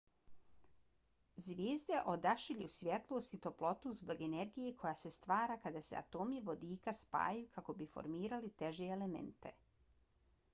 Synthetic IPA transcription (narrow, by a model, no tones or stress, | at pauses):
zʋʲjeːzd̪eʔo̞d̪aʃiʎusʋʲje̞t̪lˠo̞ːst̪it̪o̞plˠo̞t̪uzbo̞ɡe̞ne̞ɾɡije̞kʰo̞jase̞st̪ʋaːɾakad̪asea̰t̪o̞ːmiʋo̞d̪iːkaspa̰ːjukʰako̞bifo̞̰ɾmiːɾalit̪e̞ʒeːlemḛnt̪e̞̰